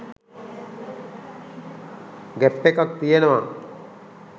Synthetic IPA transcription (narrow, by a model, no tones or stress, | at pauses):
ɡæpːekak̚t̪ijenəʋa